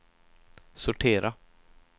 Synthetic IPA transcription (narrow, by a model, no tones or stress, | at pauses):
sʊʈʰeːɾa